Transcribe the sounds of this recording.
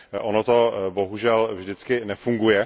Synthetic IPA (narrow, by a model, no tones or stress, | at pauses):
ʔonot̪o̞bo̞ɦuʒɛlvʒdɪt͡skɪnɛfuŋɡujɛ